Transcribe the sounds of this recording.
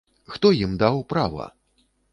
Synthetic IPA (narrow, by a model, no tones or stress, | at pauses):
xt̪ɔjimd̪awpɾavɐ̰